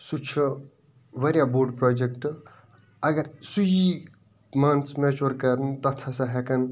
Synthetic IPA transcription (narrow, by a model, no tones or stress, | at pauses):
sut͡ʃʰu | ʋɐɾjaboːɾɖpɾɔːd͡ʒekʈ | ɐɡɐɾsuji | mɐnsmet͡ʃuɾkɐɾnt̪ɐt̪ʰɐsɐɦekɐn